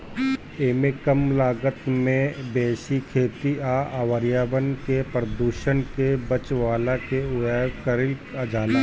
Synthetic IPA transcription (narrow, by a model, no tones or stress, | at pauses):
eːmekəmlaːɡət̪mẽbeːʃikʰeːt̪iaːʔaːʋəɾjaːbənkepɾəd̪uːʃənkebət͡ʃʋaːlakeʊakəɾɪləd͡ʒaːlaː